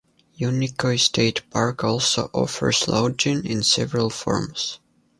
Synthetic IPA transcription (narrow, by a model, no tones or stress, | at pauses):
junikʰostʰeɪtpʰɑɹkɔlˠsoʊʔɔ̰fə̰˞sloʊd͡ʒɪ̃nɪ̃nsɛvəɹəlˠfɔ̰ɹms